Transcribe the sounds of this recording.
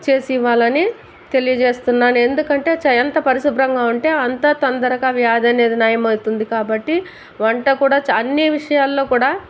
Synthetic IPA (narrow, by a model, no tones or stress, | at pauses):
t͡ʃe̞ːsiʋːaːlɐni | t̪e̞lijɐd͡ʒe̞ːst̪unːaːnue̞nd̪ukɐɳʈe̞ːt͡ʃɐjɐnt̪ɐpɐɾiʃubɾɐŋɡaːuɳʈe̞ːɐnt̪ɐːt̪ɐnd̪ɐɾɐkaːʋjaːd̪ɐne̞ːd̪inaːjɐmɐjt̪und̪ikaːbɐʈːi | ʋɐɳʈɐkuːɽaːt͡ʃɐnːiʋiʂɐjaːlːo̞ːkuːɽaː